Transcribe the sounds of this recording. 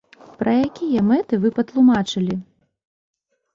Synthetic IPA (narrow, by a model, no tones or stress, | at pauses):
pɾɐjakʲijɐmɛt̪ɨvɨpɐt̪lˠumat͡ʂɨlʲi